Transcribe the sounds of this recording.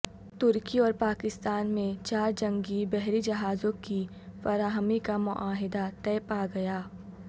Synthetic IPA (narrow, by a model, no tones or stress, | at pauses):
t̪ʊɾkiɔːɾpaːkɪst̪aːnmẽt͡ʃaːɾd͡ʒɐ̃ŋɡibɛɦɾid͡ʒɐɦaːzõki | fɐɾaːɦəmikamʊʔaːɦɪd̪at̪ɛːpaɡɐjaː